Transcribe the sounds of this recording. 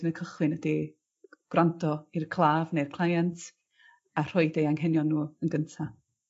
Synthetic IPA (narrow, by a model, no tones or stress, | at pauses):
nəkʰəχlˠɨnədi | ɡ̥wrandɔirkʰlˠaːvnejrkʰl̥ˠajantʰ | ar̥ɔɨdejaŋɦɛnjɔnːuːənɡəntʰa